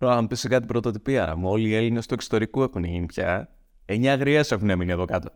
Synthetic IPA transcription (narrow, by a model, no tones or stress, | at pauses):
ɾoɐmpisikɐt̪ibɾo̞t̪ot̪ipiɐmuo̞lie̞line̞st̪uekso̥t̪o̞ɾikue̞xunʝinipçɐ | eɲɐːɣɾiese̞xuneminiɐðo̞kɐt̪o̞